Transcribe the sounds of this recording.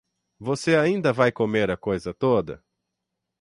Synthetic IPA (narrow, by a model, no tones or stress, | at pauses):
voseaĩnd̪ɐvajkomeɾɐkojzɐt̪od̪ɐ̰